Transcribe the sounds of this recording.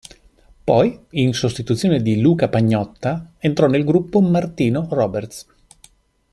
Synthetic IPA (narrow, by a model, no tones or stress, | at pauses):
pɔjinsost̪it̪ut̪sːjoːned̪iluːkapaɲːɔt̪ːaent̪ɾɔnːelɡɾupːomart̪iːnorɔːbert̪s